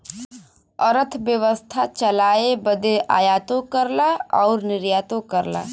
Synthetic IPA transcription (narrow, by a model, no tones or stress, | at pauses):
əɾət̪ʰbjəʋəst̪ʰat͡ʃɐlaːebəd̪eʔa̰ːjaːt̪õkəɾlaɔːɾnɪɾjaːt̪õkəɾla̰ː